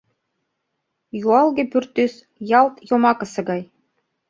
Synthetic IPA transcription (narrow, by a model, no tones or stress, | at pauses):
juɑlˠɡʲĕpyrt̪ːys | jɑlˠt̪jomɑkɤ̆sɤ̆ɡɑj